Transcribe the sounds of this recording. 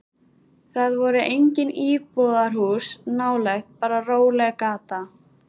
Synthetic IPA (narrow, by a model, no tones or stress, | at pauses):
θaðvɔɾʏʔejɲcɪniːpɔðaɾ̥ɦuːsnaːwlɛxt̪̚paːɾaroːwlɛɣkaːt̪a